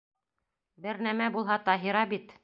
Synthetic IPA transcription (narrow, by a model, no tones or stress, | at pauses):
bɘɾnæmæbulˠɦɑt̪ɑɦiɾɑbit̪